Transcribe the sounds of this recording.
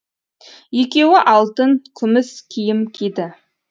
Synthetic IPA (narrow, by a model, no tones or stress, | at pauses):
je̞kʲe̞wɪʔɑlˠt̪əŋkʲʰʏmɪskʲʰijɪmkʲʰed̪ɪ